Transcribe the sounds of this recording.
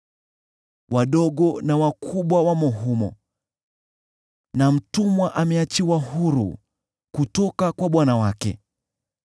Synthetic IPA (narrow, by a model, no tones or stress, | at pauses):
wʔaɗɔɠɔnawakʰuɓwawamɔɦumɔ̰ | nam̩tumwaʔamɛat͡ʃiwahuɾṵ | kutɔkakwaɓwanawakɛ̰